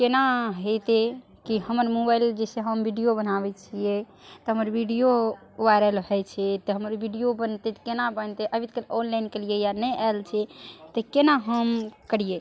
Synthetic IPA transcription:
kenaɦət̪e | kiɦəməɾmobajld͡ʒɛseɦəmbʱiɖijobənabɛt͡ʃʰijɛ | t̪ɔɦəməɾbʱiɖijo | ʋajɾəlɦɛt͡ʃʰɛt̪ɔɦəməɾbʱiɖijobənt̪et̪kenabənt̪eʔəbit̪kənonlajnkelijejanɛʔalt͡ʃʰɛt̪əkenaɦəmkəɽ̤ije

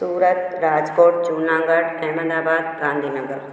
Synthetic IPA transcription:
suːɾət̪ɾaːd͡ʒkoːʈ̚t͡ʃuːnãːŋɡəɽɛːmə̃nd̪aːbaːd̪̚ɡãːnd̪ʱiːnəɡəɾ

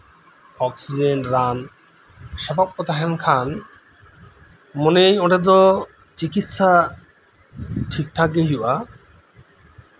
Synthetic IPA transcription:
ɔksid͡ʑenʈɾan | ʃɔbap̚ɔt̪aɦenkʰan | monejɔʈed̪ɔ | t͡ɕikit̪ʃa | ʈʰik̚ʈʰakeɦuʔak

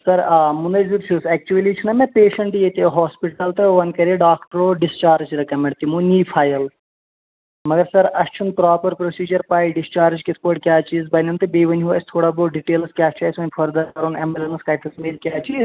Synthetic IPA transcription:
sɐɾmunɐziɾt͡ʃʰuːsɛk̚t͡ʃuʋɐlit͡ʃʰunɐmẽpeːʃɐɳʈjet̪eɦaːspiʈɐlt̪ɨʋɐnkɐɾeɖaːkʈɐɾoːɖist͡ʃaːɾd͡ʒɾɐkɐmeɳt̪imuːnʲiːpʰaːjɐl | mɐɡɐɾsɐɾɐst͡ʃʰunpɾaːpɐɾpɾosiːd͡ʒɐɾpaːjɖist͡ʃaːɾd͡ʒkʲit̪ʰpoːʈkʲjaːt͡ʃiːzbɐnʲɐnt̪ɨbeːʋɐnʲɦua̰ːsʰʲt̪ʰoːɽaːboːɖiʈeːlskʲaːt͡ʃʰaːsʲʋɐnʲpʰɐɾd̪ɐɾkɐɾunembelɐnɐskaːjʈʰɐsmeːlkʲaːt͡ʃiːz

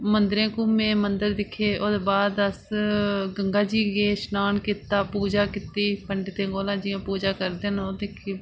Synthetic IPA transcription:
mənd̪ɾẽːkũːmẽːmənd̪əɾd̪ɪkʰːeːʔoːd̪eːbaːd̪əs | ɡəŋɡaːd͡ʒiːɡeːʃnaːnkɪt̪ːaːpuːd͡ʒaːkɪt̪iːpəɳɖt̪ẽːɡoːlãːd͡ʒɪjãːpuːd͡ʒaːkəɾd̪eːnoːd̪ekʰi

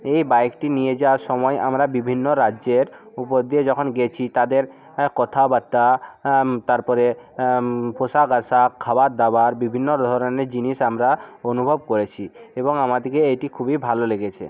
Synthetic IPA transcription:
ejbajkʈinijed͡ʑawaɾʃɔmɔeʔamɾabibʱinːoɾaeɾ | upod̪ied͡ʑɔkʰonɡet͡ɕʰit̪ad̪eɾ | kɔt̪ʰabat̪ːa | t̪aɾpɔɾe | poʃaɡasakʰːabaɾd̪abaɾbibʱinːod̪ʱɔɾoneɾd͡ʑiniʃamɾaonubʱobkoɾet͡ɕʰieboŋamad̪ikeejʈikʰubibʱaloleɡet͡ɕʰḛ

